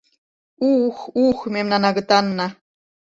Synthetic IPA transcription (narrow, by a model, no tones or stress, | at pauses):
uxuxmemnɑnɑɣɤ̆t̪ɑnːɑ